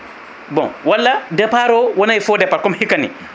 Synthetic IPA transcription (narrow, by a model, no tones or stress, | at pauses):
bɔ̰̃nwalːadɛpaɾɔwɔnajfɔdɛpaɾkɔmhikːanḭ